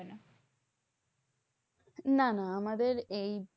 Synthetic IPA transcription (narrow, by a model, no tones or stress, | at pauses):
ena | nanaamad̪eɾej